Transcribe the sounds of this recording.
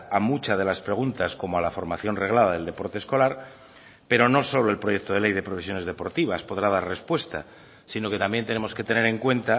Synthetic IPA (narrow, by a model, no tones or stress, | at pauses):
amut͡ʃað̞e̞laspɾe̞ɣ̞unt̪asko̞moalafo̞ɾmaθjo̞nre̞ɣ̞lað̞að̞e̞ld̪e̞po̞ɾt̪esko̞laɾ | pe̞ɾo̞no̞so̞lo̞e̞lpɾo̞je̞k̚t̪o̞ðele̞jðepɾo̞fis̬jone̞zðe̞po̞ɾt̪iβ̞aspo̞ðɾað̞arre̞spwe̞st̪a | sino̞ke̞t̪ambjent̪e̞ne̞mo̞ske̞t̪e̞ne̞ɾe̞ŋkwe̞nt̪a